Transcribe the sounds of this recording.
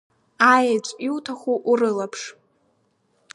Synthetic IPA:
ajat͡ʃʷʼiwtʰaχʷuʔːrɨlapʰʂ

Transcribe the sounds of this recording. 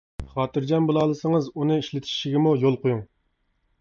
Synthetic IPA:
χɑːt̪ɨɾd͡ʒɑnbolˠɑːlˠɨsəŋəzunɨiʃlɪt̪ʰi̥ʃiɡʲɪmujolˠqojuŋ

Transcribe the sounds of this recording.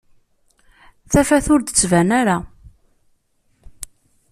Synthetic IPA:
θæfæθʊɾd̪ət͡sːvænæɾa

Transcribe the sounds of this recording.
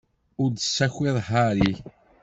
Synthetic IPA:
ʊɾd̪əsːæçɪðˤhaɾi

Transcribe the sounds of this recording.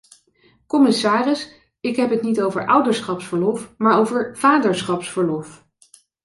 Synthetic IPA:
kɔmɪsaːrəs | ɪkɦɛpɦətnitowvəɹʔʌwdəɹsχɑpsfəɹlɔfmaːɹowvəɹv̥aːdəɹsχɑpsfəɹlɔf

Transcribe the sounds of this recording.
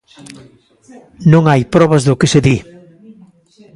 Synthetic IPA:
nõŋajpɾɔβɐzðʊkɪseði

